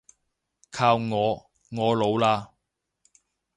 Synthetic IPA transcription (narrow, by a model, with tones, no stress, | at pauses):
kʰaː˧wŋɔː˨˧ | ŋɔː˨˧lo˨˧wlaː˧